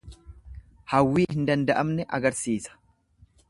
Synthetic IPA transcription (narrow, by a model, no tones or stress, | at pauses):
hɐwːiːhɪnd̪ɐnd̪ɐʔɐmnɛʔɐɡɐɾsiːsɐ̥